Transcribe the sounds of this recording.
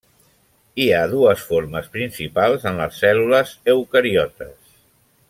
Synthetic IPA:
iaðuəsfoɾməspɾinsipalˠzənlə̰sːɛluləzəwkəɾiɔt̪əs

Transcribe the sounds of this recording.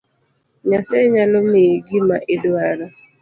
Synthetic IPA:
ɲasaɲalɔmiɡɪmaʔɪdwaɾa

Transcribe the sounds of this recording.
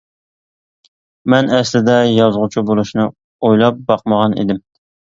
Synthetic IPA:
mɛnɛslɪd̪ɛjɑzʁʊt͡ʃʰubolˠuʃnɨ | ojlˠɑp̚bɑq̚məʁɑnḭd̪ɪm

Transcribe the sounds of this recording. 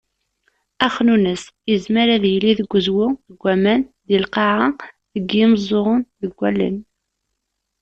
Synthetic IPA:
æχnunəsjəzməɾæðjlːiðəɡʷːəzwʊðəɡʷːæmænd̪ilqɑʕa | ðəɡjɪmzˤoʁənðəɡʷːælːə̰n

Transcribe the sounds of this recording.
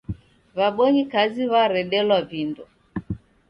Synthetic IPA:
βaɓɔɲikaziβaɾɛɗɛlwavindu

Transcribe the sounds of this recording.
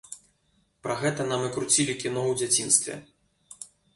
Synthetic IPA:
pɾɐɣɛt̪ɐnamɨkɾut͡sʲilʲikʲinɔwd͡zʲat͡sʲinst̪vʲɛ̰

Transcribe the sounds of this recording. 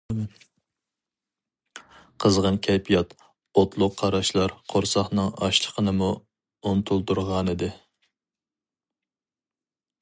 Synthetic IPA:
qʰəzʁɑnkʲʰɛpʰijɑt̪ | ot̪ʰlˠʊqʰːɑɾɑʃlˠɑɾqʰoɾsɑχnɨŋɑ̰ʃlˠə̥qʰənɨmu | unt̪ʰulˠt̪uɾʁɑnɨd̪ɪ

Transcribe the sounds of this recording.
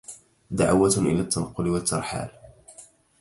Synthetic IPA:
d̪aʕawat̪ʔɪ̰laːt̪ːɑnɑqːʊlɪwat̪ːɑɾˤħa̰ːl

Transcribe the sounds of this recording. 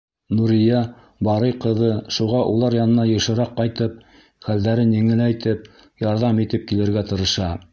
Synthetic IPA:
nuɾijɑ | bɑɾɤjqɤ̆ðɤʃuʁɑʔulˠɑɾjɑnɤ̆nɑjɤ̆ʃɤ̆ɾɑqːɑjt̪ɤp̚ | χæld̪æɾɘnjɘ̆ŋɘ̆læjt̪ɘp̚ | jɑɾðɑmit̪ɘp̚kilɘ̆ɾɡæt̪ɤ̆ɾɤ̆ʃɑ

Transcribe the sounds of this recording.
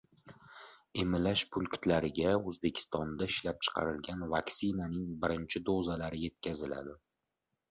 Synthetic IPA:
e̞mɪlaʃpʰʊlˠkʲʰʊ̥t̪laɾɪɡʲaɵzbe̞kʲʰɪ̥st̪ɒnd̪aɪʃlap̚t͡ʃʰɨ̥qʰɑ̰ɾɪlɡʲanvakʲsɪnanɪŋbɪɾɪnt͡ʃʰɪd̪ozalaɾɪje̞t̪̚kʲʰazɪla̰d̪ɪ

